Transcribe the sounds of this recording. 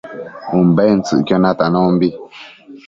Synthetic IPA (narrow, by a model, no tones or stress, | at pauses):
um̩bɛn̩t͡sɨ̰ʔkjɔnatanɔm̩bi